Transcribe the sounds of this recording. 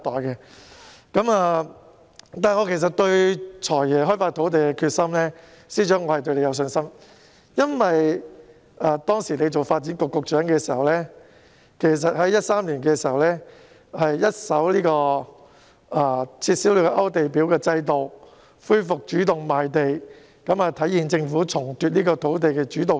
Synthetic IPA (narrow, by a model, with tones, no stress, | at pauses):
t̪ɔː˨˩jkɛː˧ | kɐ˨˥maː˧ | t̪aː˨˩ŋɔː˨˧kʰe˨˩js̬ɐ˨t̚t̪ɵ˧ɥt͡ʃʰɔː˨˩jjɛː˨ɦɔː˥jfaː˧˥t̪ʰo˨˥wt̪̬e˨jkɛ˧kʰyː˧t̚sɐ˥mlɛː˥ | siː˨˥t͡ʃœː˨˥ŋɔː˨˧hɐ˨jt̪̬ɥle˨˧jɐ˧ws̬ɵ˧nsɐ˥m | jɐ˥nwɐ˨j | aː˧t̪ɔː˥ŋsiː˨˩ne˨˧jt͡so˨wfaː˧t̚t͡siː˨˥nkʊ˨˧kːʊ˨˧k̚t͡ʃœː˨˥ŋkɛː˧siː˨˩hɐ˨wlɛː˥ | kʰe˨˩js̬ɐ˨t̚hɐ˨˥jɐ˥t̚saː˥mliː˨˩nkɛː˧siː˨˩hɐ˨wlɛː˥ | hɐ˨jjɐ˥t̚sɐ˨˥wliː˥kɔː˧ | aː˨˧t͡sʰiː˧t̚siː˨˥wli˨˥kɔ˧ʔɐ˥wt̪e˨jpiː˨˥wkɛː˧t͡sɐ˧jt̪o˨w | fuː˥jfʊ˨k̚t͡ʃyː˨˥t̪ʊ˨ŋmaː˨jt̪e˨j | kɐ˨˥maː˨t̪ʰɐ˨˥jiː˨nt͡sɪ˧ŋfuː˨˥t͡sʰʊ˨˩ŋt̪yː˨˧t̚niː˥kɔː˧t̪ʰo˨˥wt̪̬e˨jkɛː˧t͡ʃyː˨˥t̪ʊ˨˩